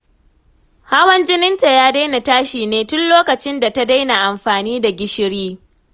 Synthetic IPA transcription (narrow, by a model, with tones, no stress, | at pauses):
ha˦wɐ˦nd͡ʒɪ˦nɪ˦nta˨jaː˦da˦jna˨taː˦ʃiː˨neː˦tʊ˦nloː˦kɐ˨t͡ʃɪ˦nda˨ta˦da˦jna˨ʔa˨mɸaː˨niː˦da˨ɡʲɪ˦ʃɪ˦ɽiː˦